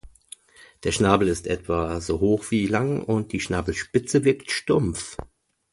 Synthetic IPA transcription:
d̥eːɐʃnaːbl̩ɪstʔɛtv̥azoːɦoːxv̥iːlaŋʊnt̚d̥iːʃnaːbl̩ʃpɪt͡səvɪɐktʃtʊmf

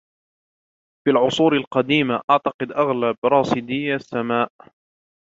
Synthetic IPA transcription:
filʕʊsˤuːɾalqɑd̪iːmaʔaʕt̪ɑqɨd̪ʔaɣlabɾˤɑːsɪd̪ɪjːasːamaːʔ

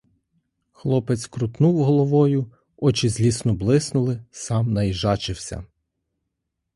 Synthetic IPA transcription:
xlˠɔpɛt͡s̪ʲkɾʊt̪nuwɦɔlˠɔʋɔjʊ | ɔt͡ʃɪzʲlʲisnɔblˠɪsnʊlˠɪsɑmnɐjiʒɑt͡ʃɪwsʲɐ̰

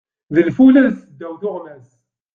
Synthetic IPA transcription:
ðəlfulæðθəd̪ːæwθʊʁmæs

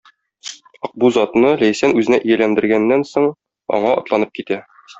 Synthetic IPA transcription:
ɒq̚buzɒt̪nɤlæjsænʉzɘ̆næʔijælænd̪ɘ̆ɾɡænːænsoɴ | ɒ̰ɴɑɒ̰̆t̪lˠɑnɤp̚kit̪æ

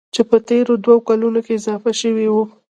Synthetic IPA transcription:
t͡ʃepət̪eɾod̪waokalunokeɪzɑfaʃəwiwu

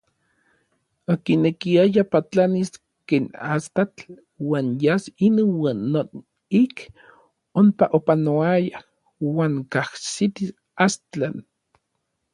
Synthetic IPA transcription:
okinekiajapat͡ɬanis | keːnast̪at͡ɬ | waːnjasinowaːnːon | ik | ompaʔopanoaja | waːŋkahsit̪is | ast͡ɬan

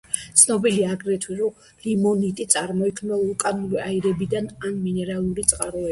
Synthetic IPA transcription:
tt̪sʰnɔbiliaːɡɾɛt̪ʰwiɾɔ | limɔnit̪ʼit̪sʼaɾmɔikʰmnalukʼanuɾiaiɾɛbid̪ananminɛɾalˠuɾit̪sʼqʼaɾɔɛ

